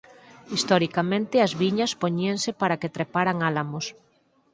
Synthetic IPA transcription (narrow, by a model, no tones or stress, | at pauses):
ist̪ɔɾikamẽnt̪ɪɐzβiɲɐspoɲiaŋsepaɾɐket̪ɾepaɾaŋalamos